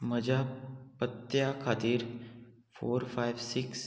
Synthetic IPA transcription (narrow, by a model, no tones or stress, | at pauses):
məd͡ʒaːpət̪jakʰaːt̪iːɾ | fʰoːɾfʰaːɪʋsɪks